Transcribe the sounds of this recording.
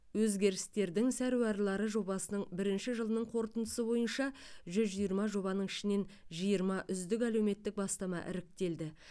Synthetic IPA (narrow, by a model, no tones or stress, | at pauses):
wɵzɡʲe̞ɾɪst̪e̞ɾd̪ɪŋsæɾuwɑɾlˠɑɾəʒo̞bɑsənəɴbɪɾɪnʃɪʒəlˠənəɴqʰo̞ɾt̪ənd̪əsəbo̞jənʃɑʒʏzʒijəɾmɑʒo̞bɑnəɴɪʃɪne̞nʒijəɾmɑʔʏzd̪ɪk̬ælewme̞t̪ːɪk̚bɑst̪ɑmɑ̰ʔɪ̰ɾɪk̚t̪e̞ld̪ɪ